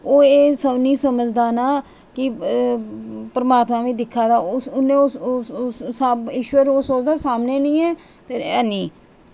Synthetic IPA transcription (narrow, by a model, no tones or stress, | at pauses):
oːeːsənĩːsəməd͡ʒd̪aːnaː | kɪ | pəɾmaːt̪mãːʋĩːd̪ɪkʰːaːd̪aːsʊnẽːo | sabɪʃwəɾoːsoːt͡ʃd̪aːsaːmneːnĩːɛː | pʰeːɾɛːnĩː